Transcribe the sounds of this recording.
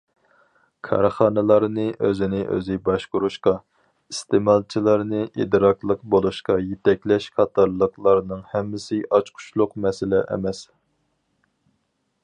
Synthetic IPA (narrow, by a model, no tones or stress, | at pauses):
kʰɑ̰ɾχɑːnɨlˠɑɾnɨʔøzɪnɪʔø̰zɪbɑʃqʊɾuʃqɑ | ist̪ʰemɑlˠt͡ʃʰilˠɑɾnɨʔḭd̪ɾɑklˠəqbolˠuʃqɑjet̪ʰɛkʲlɛʃqʰɑt̪ʰɑɾlˠəqlˠɑɾnɨŋhɛmːɪsɪʔɑt͡ʃqʰʊ̥ʃlˠʊqmɛsɪlɪʔɛ̰mɛs